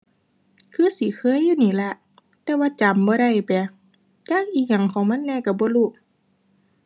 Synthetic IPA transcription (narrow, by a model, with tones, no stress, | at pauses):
kʰɯː˧˨si˨˦kʰɤː˧˥˨jːuː˧˨niː˧˨lɛ˧˩ʔ | t̪ɛː˧˦waː˧˨t͡ɕa˨˦mbɔː˧˦ɾa˧˩jpɛ˨˩ | t͡ɕaː˧˨k̚ʔiː˧˩k̚ɲa˨˩˨ŋkʰɔː˨˦ŋma˧˥˨nːɛː˧˨ka˧˩bɔː˧˦luː˧˩˨ʔ